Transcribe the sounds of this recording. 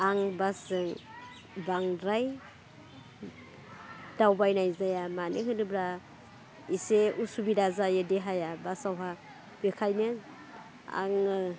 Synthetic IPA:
aŋbasɯŋ | baŋɾaj | d̥awbajnajzajamanɯkɯnɯbɾa | iseʔusubidazajɯdeɦajabasawɦa | b̥ekʰajnɯn | a̰ŋ

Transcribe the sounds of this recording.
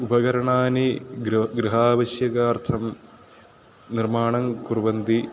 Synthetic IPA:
ubɐɡɐɾɐɳaːniɡɾiɦaːʋɐɕjɐɡaːrt̪ʰɐm | nirmaːɳɐŋkuɾʋɐnd̪i

